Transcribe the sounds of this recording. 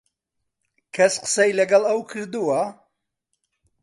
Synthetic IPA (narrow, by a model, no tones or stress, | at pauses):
kʰɐsqə̥sɐjlɐɡɐlˠɐwkʰɨɾd̪uwɐ